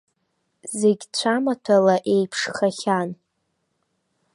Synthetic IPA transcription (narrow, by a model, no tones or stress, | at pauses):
zeɡʲt͡ɕʷʰamatʰalaʔe̞jpʰʂχaχʲan